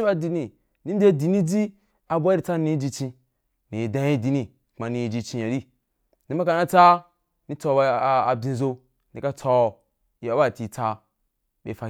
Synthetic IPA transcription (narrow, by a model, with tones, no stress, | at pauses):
i˦ba˦di˧ni˨ | ni˦de˦di˨ni˦d͡zi˦ | a˨bʷa˦ɾi˨˦t͡sa˦ni˦d͡ʒi˧t͡ʃĩ˧ | ni˨i˨dã˦i˦di˧ni˨ | kma˨ni˧i˨d͡ʒi˧t͡ʃĩ˧ja˨ɾi˦ | ni˦ma˦ka˧na˦t͡sa˦ | ni˦t͡so˧˦ba˧˨a˨bĩ˨˧˨zo˧ | ni˨ka˦t͡sɔ˧˨ | ja˨˦ba˦˨ti˨t͡sa˦ | ɓḛ˨fa˨